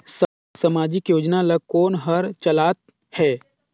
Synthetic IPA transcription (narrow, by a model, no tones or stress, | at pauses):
s | səmaːd͡ʒɪkjoːd͡ʒnalɐkoːnɦɐɾt͡ʃɐlaːt̪̚ | hɛː